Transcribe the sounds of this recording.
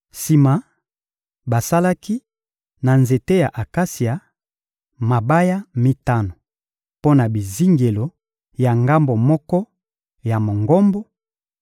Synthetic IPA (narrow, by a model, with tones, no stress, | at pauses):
si˨ma˨ | ba˨sa˦la˦ki˦ | na˨nze˨te˦ja˨ʔa˨ka˦si˨a˨ | ma˨ba˦ja˦mi˦ta˦no˨ | po˦na˨bi˨zi˦ŋɡe˨lo˨ | ja˨ŋɡa˦mbo˨mɔ˦kɔ˦ | ja˨mo˨ŋɡɔ˦mbo˦